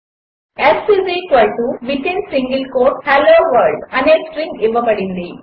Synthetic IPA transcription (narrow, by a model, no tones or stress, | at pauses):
essisiːkɐɭʈuʋiʈẽɳɖsiŋɡilkoːʈhaloːʋɐɾɖɐneːksʈɾĩŋiʋɐpɐɽind̪i